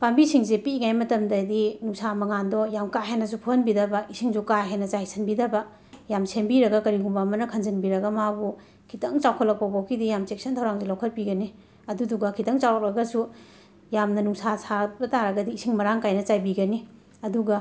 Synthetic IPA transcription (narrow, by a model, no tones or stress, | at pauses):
pambisiŋzepiːŋajmɐtɐmdɐdinuŋsamɐŋandɔjamkaɦenːɐs̬upʰuhɐnbidɐbɐisʰiŋzukaɦenːɐt͡ʃajsʰɐnbidɐbɐ | jamsʰenbiɾɐɡɐkɐɾiɦumbamɐnɐkʰɐnzɐnbiɾɐɡɐmabu | kʰitɐŋt͡ʃawkʰɐtlɐk̚pawbakʰidijamt͡ʃek̚sɐntʰawɾaŋzelawkʰɐt̚piɡɐni | ɐduduɡɐkʰitɐŋt͡ʃawak̚ɾɐɡɐsu | jamnɐnuŋsasʰabɐtaɾɐɡɐdiːsʰiŋmɐɾaŋkajnɐt͡ʃajbiɡɐni | ɐduɡɐ